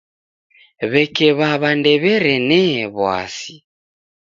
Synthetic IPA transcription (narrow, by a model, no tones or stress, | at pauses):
βɛkɛβaβandɛβɛɾɛnɛβwa̰si